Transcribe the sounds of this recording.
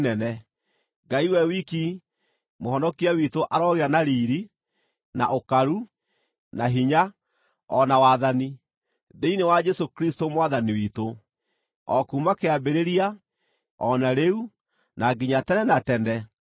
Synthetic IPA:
nɛnɛ | ɡaiwɛwiki | mohɔnɔkiawitoʔaɾɔɣeɾanaɾiːɾi | na̰ʔokaɾu | naɦiɲa | ɔnawaːðani | deinewad͡ʒɛsokɾistomwaðaniwito | ɔkuːmakeabeɾeɾia | ɔnaɾeu | naɡiɲatɛnɛnatɛndɛ

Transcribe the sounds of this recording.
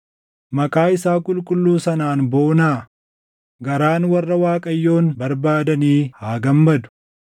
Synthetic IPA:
mɐkʼaːɪsaːkʼʊlkʼʊlːuːsɐnaːnboːnaː | ɡɐɾaːnwɐrːɐwaːkʼɐjːo̞ːnbɐɾbaːd̪ɐniːhaːɡɐmːɐd̪ʊ̥

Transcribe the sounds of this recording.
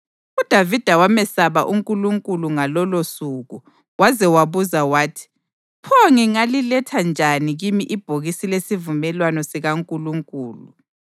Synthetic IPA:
ud̥ʱavid̥ʱawamɛsaβaʔuŋkʼuluŋkʼuluŋalɔlosuɣu | wazɛwaβuzawaːtʰi̥ | pʰoŋiŋalilɛtʰand͡ʒʱaniɣimiʔib̥ʱoɣisilesivumɛlwanɔsiɣaŋkʼuluŋkʼuːlu

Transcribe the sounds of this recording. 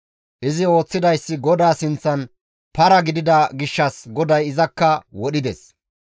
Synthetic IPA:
ʔɪzɪo̞ːt͡sːɪd̪ɐjsːɪɡɔd̪aːsɪnt͡sːɐn | pɐɾɐɡɪd̪ɪd̪ɐɡɪʃːɐsɡɔd̪ɐjɪzɐkːɐwɔɗɪd̪ɛ̰s

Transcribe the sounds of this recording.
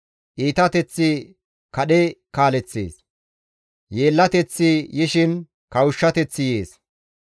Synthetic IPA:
ʔiːt̪ɐt̪ɛt͡sːɪ | kɐɗɛkaːlɛt͡sːḛːs | jeːlːɐt̪ɛt͡sːɪjɪʃɪn | kɐwʊʃːɐt̪ɛt͡sːɪjeːs

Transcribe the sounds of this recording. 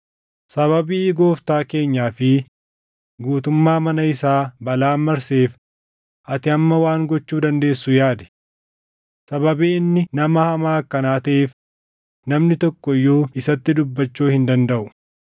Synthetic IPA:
sɐβɐbiːɡo̞ːft̪aːke̞ːɲːaːfɪ | ɡuːt̪ʊmːaːmɐnɐɪsaːbɐlaːmːɐɾseːf | ʔɐt̪ɪɐmːɐwaːŋɡɔt͡ʃːuːd̪ɐnd̪e̞ːsːʊjaːd̪ɛ̥ | sɐbɐbiːɪnːɪnɐmɐhɐmaːɐkːɐnaːt̪ɐʔeːf | nɐmnɪt̪ɔkːɔjːoːɪsɐt̪ːɪd̪ʊbːɐt͡ʃːuːhɪnd̪ɐnd̪ɐʔʊ̥

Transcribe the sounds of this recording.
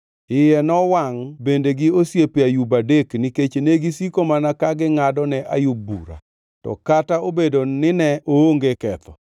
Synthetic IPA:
ɪjɛnɔwaŋbendeɡɪosjepjajubadekniket͡ʃeneɡisikomanakaɡɪŋadɔnɛʔa̰jubṵɾa̰ | tɔ̰kataobedonɪnɛʔooŋɡekɛt̪ɔ

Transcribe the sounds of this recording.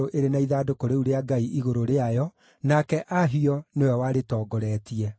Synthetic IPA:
oʔeɾenaiðaːdokoɾeuɾeaɡaiʔiɣoɾoɾeajɔ | nakɛʔaɦiɔnewɛwaɾetɔːɡɔɾɛːtiɛ

